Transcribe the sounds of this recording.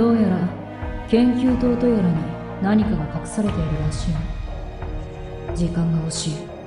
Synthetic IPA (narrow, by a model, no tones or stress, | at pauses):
d̪̥o̞ːjaɾa | kẽ̞ŋkʲɨːt̪o̞ːt̪o̞joɾaɲ̟i | naɲ̟ikaɡakakɯ̟̥saɾe̞t̪eiɾɯ̟ɾaɕĩː | d͡ʑikãŋɡao̞ɕiː